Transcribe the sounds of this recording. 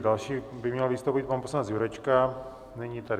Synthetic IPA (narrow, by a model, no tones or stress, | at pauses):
dalʃiːbɪmɲɛlvɪst̪owpit̪̚panposlanɛt͡szjuɾɛt͡ʃka | nɛɲit̪adɪ